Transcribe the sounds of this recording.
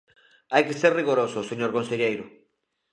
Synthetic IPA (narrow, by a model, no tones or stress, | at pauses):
ajkeseɾriɣoɾosʊseɲoɾkõnseʎejɾʊ